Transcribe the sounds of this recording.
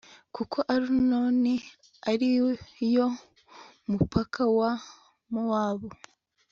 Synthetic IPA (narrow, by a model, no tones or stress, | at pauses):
kukʰo̞ʔaɾunoːni | aɾijo̞ | mupʰakʰawa | mowaːβo